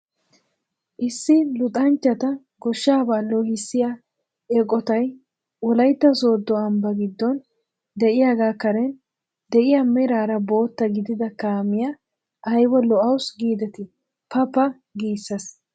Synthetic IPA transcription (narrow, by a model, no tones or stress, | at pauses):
ʔɪsːɪlʊt̪ʼɐnt͡ʃːɐt̪ɐ | ɡɔʃːaːbalːɔːhɪsːɪja | ɛkʼɔt̪ɐj | ɔlɐjt̪ːɐso̞ːd̪ːɔɐmbɐɡɪd̪ːɔn | d̪ɛʔɪjaɡaːkɐɾɛn | d̪ɛʔɪjamɛɾaːɾɐbo̞ːt̪ːɐɡɪd̪ɪd̪ɐkaːmɪjɐ | ʔɐjwɔlɔʔɐwsɡiːd̪ɛt̪ɪ | pɐpːɐ | ɡiːsːɐs